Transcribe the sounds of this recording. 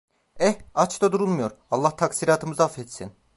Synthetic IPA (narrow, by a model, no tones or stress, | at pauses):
ɛat͡ʃt̪ad̪uɾulˠmujo̞ɾalˠːaht̪ʰaksiːɾaːt̪ʰɯmɯzaafɛt̪sḭn